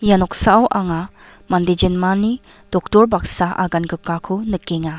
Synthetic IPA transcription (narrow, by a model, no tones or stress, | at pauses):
janɔk̚saːwʔaŋa | manded͡ʒenmani | d̥ɔk̚tɔɾbaksaʔa̰ɡanɡɯkːakʰunɯkeŋa